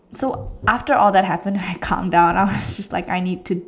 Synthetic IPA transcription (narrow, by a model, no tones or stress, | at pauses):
soʔæftə˞ʔɔlˠðæt̚ɦæpə̃nd̃naɪkʰʌ̰̃mdãʊ̃naɪwʌzd͡ʒʌstla̰ɪka̰ɪnid̚tʰu